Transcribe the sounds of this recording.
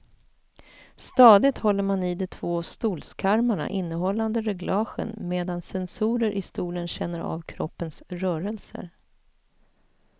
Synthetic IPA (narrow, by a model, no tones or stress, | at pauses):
st̪ɑːd̪ɪt̪hɔlːəɾmanɪd̪ɔt̪ʰv̥oːst̪uːlskʰaɾmaɳa̰ʔɪnːəɦɔlːand̪əɾɛɡlɑːɧə̰nmeːd̪ansɛnsuːɾəɾʔɪst̪uːlənɕɛnːəɾa̰ːvkʰɾɔpːənsɾœːɾəlsə̰ɾ